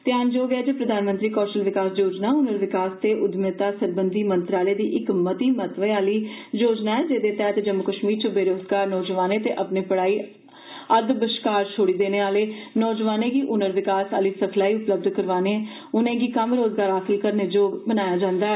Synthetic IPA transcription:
t̪ɪjaːnd͡ʒoːɡɪaːd͡ʒeːpɾəd̪aːnmə̃nt̪ɾiːkɔːɾʃəlʋɪkaːsd͡ʒoːd͡ʒnaːʊnəɾʋɪkaːst̪eːʔʊd̪mɪt̪aːsəɾbənd̪iːmə̃nt̪ɾaːleːd̪iːʔɪkmət̪iːmət̪ʋeaːliːd͡ʒoːd͡ʒnaːɛːd͡ʒeːd̪eːt̪ɛːt̪ed͡ʒəmːʊkəʃmiːɾt͡ʃəbeːɾoːzɡaːɾnɔːd͡ʒəʋaːneːt̪eːʔəpneːpəɽaːiː | əd̪bəʃkaːɾt͡ʃʰoːɽiːd̪eːneːaːleːnɔːd͡ʒʋaːnẽːɡiːʔʊnəɾʋɪkaːsaːliːsəkʰlaːiːʊpləb̚d̪kəɾʋaːneɛː | ʊnẽːɡiːkəmɾoːzɡaːɾɦaːxɪlkəɾneːd͡ʒoːbənaːjaːd͡ʒãːnd̪aːɛ

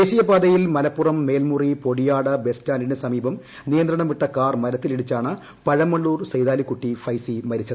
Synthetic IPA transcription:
eːɕijɐbaːd̪ɐjilmɐlɐpːurɐmːe̞ːlmuripo̞ɽijaːɽɨbe̞staːninesɐmiːbɐm | nijɐnd̪ɾɐɳɐmiʈːɐkaːrmɐɾɐt̪ːiliɽit͡ɕːaːɳɨ | pɐɻɐmːɐɭːuːrsɐjd̪aːlikːuʈːifɐjsimɐɾit͡ɕːɐðɨ

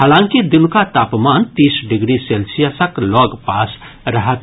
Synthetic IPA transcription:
ɦaːlãːŋkid̪ilkat̪aːpmant̪iːsɖɪɡɾiselsijəsəklɔːɡpas | ɾəɦət̪

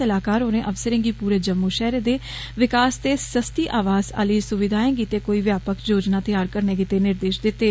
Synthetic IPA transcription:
əlaːkaːɾɦoːnẽːʔəʋsəɾẽːɡiːpuːɾeːd͡ʒəmːuːʃɛːɾeːd̪eː | ʋɪkaːst̪eːsəst̪iːʔaːʋaːza̰ːliːsʊʋɪd̪ʱaːẽːɡiːt̪eːkoːiːʋjaːpəkd͡ʒoːd͡ʒnãːt̪ɪjaːɾkəɾneːɡiːt̪eːnɪɾd̪eːʃd̪ɪt̪ːeː

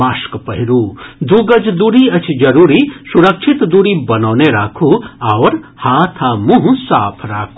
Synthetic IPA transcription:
askpɐɦiɾud̪uɡɐd͡ʒd̪uɾiɐt͡ʃʰd͡ʒɐɾuːɾisuɾɐkʃʰit̪d̪uːɾibɐnaːneɾaːkʰuaʋɾhaːt̪ʰamũɦusaːpʰɾa̰ːkʰu

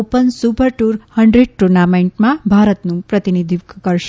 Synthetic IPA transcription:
opənsupəɾʈuɾhəɳɖɾeɖ̚ʈuɾnamẽɳʈmãbʱaɾət̪nũpɾət̪inid̪ʱikkəɾʃe

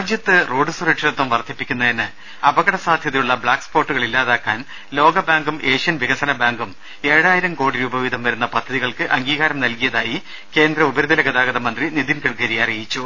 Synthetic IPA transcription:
ad͡ʑjɐt̪ːɨro̞ːɖɨsureʈʂɐɾet̪ːɐmʋɐrt̪ʰːipːikʲːunːɐðinɨ | ɐbɐɣɐɽɐsaːd̪ʱjɐt̪ːiluɭːɐbɭaːkspo̞ːʈːuɣɐɭilːaːðaːkːaːn | lo̞ːɡɐbaːŋɡumʔe̞ːʂɐnʋiɣɐsɐnɐbaːŋɡum | e̞ːɽaːjiɾɐmko̞ːɽiɾuːbɐʋid̪ʱɐmʋɐɾunːɐpɐd̪ʱːɐðiɣɐɭkɨʔɐŋɡiːɣaːɾɐmnɐlkijɐðaːji | ke̞ːnd̪ɾɐubɐɾud̪ʱɐnɐɡɐd̪aːɡɐðɐmɐnd̪rinid̪inkɐɭɡɐɾijɐrijit͡ɕːu

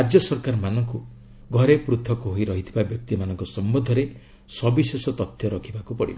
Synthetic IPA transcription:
aɾd͡ʒjɔsɔɾkaɾmanɔŋku | ɡʱɔɾepɾut̪ʰɔkɔɦoiɾɔɦit̪ʰibabjɔk̚t̪imanɔŋkɔsɔmbɔd̪ʱɔɾe | sɔbisesɔt̪ɔt̪ʰːjɔɾɔkʰibakupɔɽib

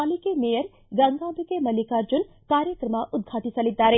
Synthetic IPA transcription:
aːlikemejəɾ | ɡɐŋɡaːbikemɐlikaːɾd͡ʒun | kaːɾjəkɾəmaʔʊd̪̚ɡʱaːt̪it͡ʃɐlit̪̚d̪aːɾe

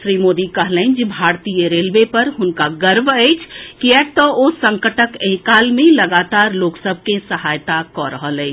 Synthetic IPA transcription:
ʃɾimod̪ikəɦlɛ̃nd͡ʒibʱaɾt̪ijəɾelbepəɾɦʊnkaɡəɾbʱɛjt͡ʃʰkiɛk̚t̪ɔosəŋkəʈəkeɦikalmẽləɡat̪aɾloksəbʱkẽsəhajt̪akɔɾəɦəlɛː

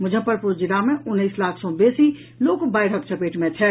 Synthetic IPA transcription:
mʊd͡ʒʱə̃pəɾpud͡ʒilamẽʊnːəɪslaːkʰsɔ̃besi | loːkbaɪɽ̤əkt͡ʃʰəpeʈmẽt͡ʃʰɛ

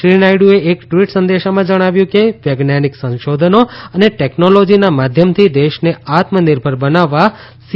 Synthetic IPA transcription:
ʃɾinajɽueʔekʈʋiʈsənd̪eʃamãd͡ʒəɽ̃aʋjũkeʋjəɡnaniksə̃nʃod̪ʱənoəneʈeknolod͡ʒinamad̪ʱjəmt̪ʰid̪eʃneat̪mənɪɾbʱəɾbənaʋːa | s

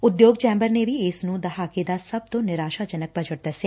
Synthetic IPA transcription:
ʊd̪joːɡ̚t͡ʃɛ̃ːmbəɾnebʱiɪsnũd̪ɐɦaːked̪asɐb̚t̪õːnɪɾaːʃad͡ʒɐnək̚bɐd͡ʒəʈd̪ɐse

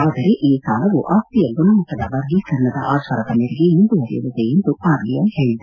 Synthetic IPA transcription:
aːd̪ɐɾeʔiːkaːlɐʋuʔaːkt̪ijɐɡunɐmɐkːɐd̪ɐbɐːɾɡikɐɾnɐd̪ɐ̰ʔaːsɐɾɐd̪ɐmeɾiɡeend̪uʋɐɾḭjṵlːud̪eend̪uaːɾɡijɐmheːɭid̪u

